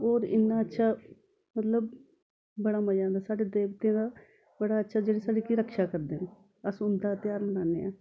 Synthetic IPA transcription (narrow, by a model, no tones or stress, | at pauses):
oːɾɪ̰nːaːətːʃʰaː | mət̪ləb̚ | bəɽaːməd͡ʒãːnd̪aːsaːɽeːd̪eːbt̪ẽːd̪aː | bəɽaːətːʃʰaːd͡ʒeːɽeːsaːɽeːkiɾəkʃaːkəɾd̪eːne | əsʊnd̪aːt̪ɪjaːɾmənaːnḛːaː